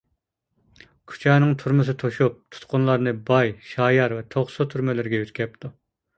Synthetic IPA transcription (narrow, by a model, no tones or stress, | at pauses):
kʲʰy̥t͡ʃʰɛːnɪŋt̪ʰuɾmɨs̬ɨt̪ʰoʃup̚t̪ʰu̥t̪qʊnlˠɑɾnɨbɑjʃɑːjɑɾvɛt̪ʰoχsot̪ʰyɾmɪlɪɾɪɡʲɛyt̪kʲɛp̚t̪ʰu